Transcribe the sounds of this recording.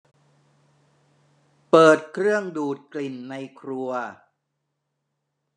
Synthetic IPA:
pɤː˨˩t̪̚kʰɾɯ˥˩əŋduː˨˩t̪̚kli˨˩nːa˧jkʰɾu˧ɐ

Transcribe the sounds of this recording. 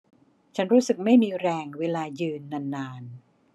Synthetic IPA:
t͡ɕʰa˦˥nɾuː˦˥sɯ˨˩k̚ma˥˩jmiː˧ɾɛː˧ŋweː˧laː˧jɯː˧nːa˧nːaː˧n

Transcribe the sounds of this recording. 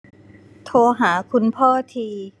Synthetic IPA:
t̪ʰoː˧ɦaː˩˦kʰu˧npʰɔː˥˩t̪ʰiː˧

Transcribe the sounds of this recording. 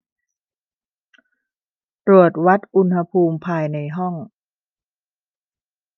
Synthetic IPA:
t̪ɾu˨˩ət̪̚wa˦˥t̪̚ʔu˧nha˧pʰuː˧mpʰaː˧jna˧jɦɔ˥˩ŋ

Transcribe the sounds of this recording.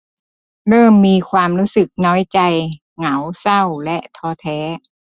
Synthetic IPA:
ɾɤː˥˩mːiː˧kʰwaː˧mɾuː˦˥sɯ˨˩k̚nɔː˦˥jt͡ɕa˧j | ŋa˩˦wsa˥˩wlɛ˦˥ʔt̪ʰɔː˧t̪ʰɛː˦˥

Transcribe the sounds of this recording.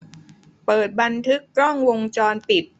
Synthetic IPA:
pɤː˨˩t̪̚ba˧nt̪ʰɯ˦˥kːɾɔ˥˩ŋwo˧ŋt͡ɕɔː˧npi˨˩t̪̚

